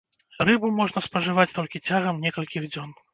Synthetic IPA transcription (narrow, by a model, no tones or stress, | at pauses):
rɨbumɔʐnɐspɐʐɨvat͡sʲt̪ɔlʲkʲit͡sʲaɣɐmnʲɛkɐlʲkʲiɣd͡zʲɔn